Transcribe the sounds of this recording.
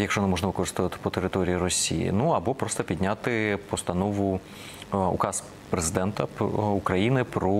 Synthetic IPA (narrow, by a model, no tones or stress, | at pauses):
jɐkʃɔnɐmɔʒnɐʋɨkɔɾɨst̪ɔʋɐt̪ɪ̥pɔt̪eɾɪt̪ɔɾʲijiɾɔsʲḭjḭnuɐbɔpɾɔst̪ɐpʲid̪ʲnʲat̪ɪpɔst̪ɐnɔʋʊ | ṵkɑs | pɾezɨd̪ɛnt̪ɐukɾɐjinɪpɾɔ